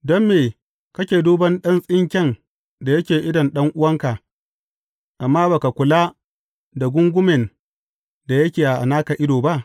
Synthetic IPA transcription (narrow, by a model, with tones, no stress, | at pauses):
dɔ˦mːeː˨ | kɐ˦kʲeː˨duː˦bɐ˦nɗɐ˦nsʼɪ˦ŋkʲɛ˦˨n | da˨jɐ˦kʲeː˨ʔɪ˦dɐ˨nɗɐ˦ŋʔʊ˦wɐ˦ŋka˨ʔ | ʔa˨mːaː˦ba˨ka˨kʷʊ˨laː˦ | da˨ɡʷʊ˦ŋɡʷʊ˦mɛ˨n | da˨jɐ˦kʲeː˨ʔa˨ʔa̰˨naː˦ka˨ʔɪ˦doː˨ba˦ʔ